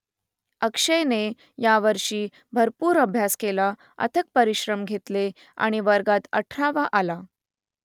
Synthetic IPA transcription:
əkʂəjne | jaʋəɾʂiː | bʱəɾpuːɾəbʱjaskela | ə̰t̪ʰək̚pəɾiɕɾəmɡʱet̪le | a̰ɽ̃iʋəɾɡat̪ə̰ʈʰɾaʋaʔala

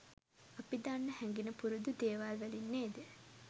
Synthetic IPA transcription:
apid̪anːəhɛŋɡinəpuɾud̪ud̪eːʋaːlʋælinːeːd̪ə

